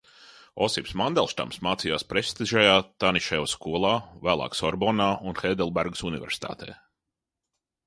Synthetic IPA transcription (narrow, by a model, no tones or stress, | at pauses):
ɔsipsmand̪ɛlˠʃt̪a̰msmaːt̪sijaːspɾɛst̪iʒajaːt̪aniʃɛjuskuɔlˠaːvæːlˠa̰ːksɔɾbɔnaːunxɛːd̪ɛlˠbɛɾɡsunivʲɛ̰ɾsi̥t̪ʰa̰ːt̪ɛ̰ː